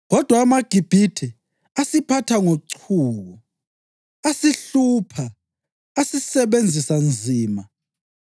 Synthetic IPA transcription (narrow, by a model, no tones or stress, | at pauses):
ɣɔd̥ʱwaːmaɡ̥ʱib̥ʱitʰɛ | asipʰatʰaŋoǀʰuːɣɔ | asiɬuːpʰaː | sisɛβend͡zʱisand͡zʱiːma